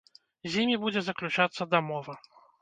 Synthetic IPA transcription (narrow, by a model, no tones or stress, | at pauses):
zʲimʲibud͡zʲɛzɐklʲut͡ʂat̪sːɐd̪ɐmɔvɐ